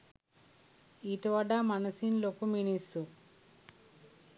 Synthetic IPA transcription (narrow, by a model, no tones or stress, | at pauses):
iʈɐʋɐɖaːmɐnɐsinloːkuminisu